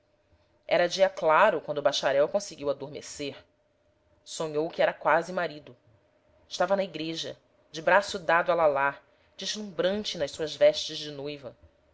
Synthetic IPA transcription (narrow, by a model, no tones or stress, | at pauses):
ɛɾɐd͡ʒiɐklaɾʊkwɐ̃nd̪ʊbaʃaɾɛwkõsɪɡiwad̪oɾmḛseɾ | sõɲowkɪɛɾɐkwazɪmaɾid̪ʊ | ɪʃt̪avɐnɐiɡɾeʒɐ̰ | d͡ʒɪbɾasʊd̪ad̪ʊalalaɾ | d͡ʒɪzlũbɾɐ̃nt͡ʃɪnɐjʃsuɐzvɛʃt͡ʃɪzd͡ʒɪnojvɐ